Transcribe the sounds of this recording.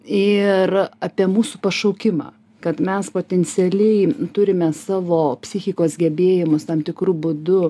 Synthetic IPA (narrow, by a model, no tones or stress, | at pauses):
ɪrɑːpʲiɛmuːsupɐʃɐʊkʲɪmɑ̰ː | kɐt̪mʲɛspoːt̪ʲɛnʲt͡s̪ʲɪɛlʲɛɪt̪ʊɾʲɪmʲɛsɑːʋoːpʲsʲɪxʲɪkoːsɡʲɛbʲeːjɪmʊst̪ɐmt̪ʲɪkɾuːbʊd̪ʊ